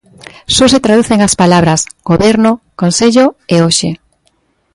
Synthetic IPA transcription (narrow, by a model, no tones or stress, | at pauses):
soset̪ɾaðuθeŋaspalaβ̞ɾasɡ̥oβeɾnʊkõnseʎoeoʃe